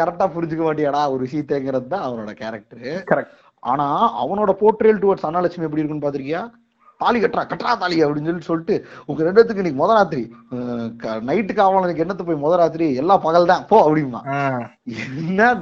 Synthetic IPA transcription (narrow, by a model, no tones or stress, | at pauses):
kɐɾɛk̚ʈːaːpʊɾɪɲd͡ʒɯk̬ːɐmaːʈ̬ːɪjaːɽaːɔɾɯʋɪʂɐjɐ̃t̪eːŋɡɪɾɐðɯt̪ːãːɐʋɐnoːɽɐkeːɾɐk̚ʈɐɾkɐɐk | ʔa̰ːnaːɐ̰ʋɐnoːɽɐpoːʈːɾeːlʈʊʋɐʈsɐnːaːlɐt͡ʃːɐmɐɛp̬ːɐɽiɪɾɯkːɐnːɯp̬aːɾt̪ɪɾɪŋɡɐjaː | t̪aːlɪkɐʈːɾãːkɐʈːɾaːt̪aːlɪɐpːɐɽɪnsɔlːisɔlːɪʈːɯʊŋɡɐɾɛɳɖɐt̪ːɯkːɯɪnːiːkːɯmɔðɐɾaːt̪̬ɪɾi | kɐnɐɪʈːɯkːaːʋaːlɐnːikːɛnːɐt̪ːɯpoːjmɔðɐɾaːt̪̬ɪɾiɛlːaːpɐɣɐlt̪ãːpoːɐpːɐɽɪjɯma̰ː | ɛnːɐ